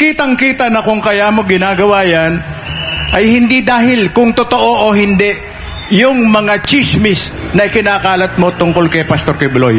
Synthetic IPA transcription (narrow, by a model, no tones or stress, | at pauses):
kiːt̪ɐŋkiːt̪ɐnɐkʊŋkɐjaːmo̞ɡɪnaːɡɐwaːjɐnʔɐjhɪnd̪id̪aːɦɪlkʊŋt̪ot̪oʔo̞ʔoɦɪnd̪ɛʔ | jʊŋmɐŋat͡ʃismɪsnɐʔɪkɪnaːkaːlɐt̪̚mo̞t̪ʊŋkolkɐjpɐst̪o̞ɾkɐjblo̰j